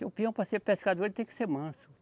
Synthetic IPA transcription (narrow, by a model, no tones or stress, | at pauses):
upiɐ̃w̃pɾaseɾpeskad̪oelɪt̪ẽj̃kɪ̥seɾmɐ̃sʊ